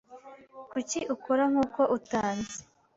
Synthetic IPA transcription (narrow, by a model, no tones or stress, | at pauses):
kuciʔukoɾaŋ̥uːko̞ʔutaːnze̥